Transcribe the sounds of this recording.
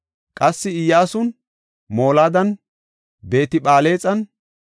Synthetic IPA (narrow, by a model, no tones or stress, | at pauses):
kʼɐsːɪɪjːaːsʊn | mo̞ːlaːd̪ɐn | be̞ːt̪ɪɓaːle̞ːt͡sʼɐn